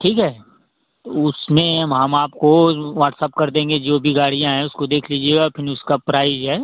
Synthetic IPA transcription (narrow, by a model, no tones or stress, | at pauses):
ʈʰiːkɦɛː | ʊsmẽɦɐmɦɐmaːpkoʋaːʈsəp̚kɐɾd̪ẽːŋɡed͡ʒoːbʱiɡaːɽijãɦɛ̃ʊskod̪eːkʰliːd͡ʒieɔːɾpʰɪɾʊskapɾaːɪzɦɛː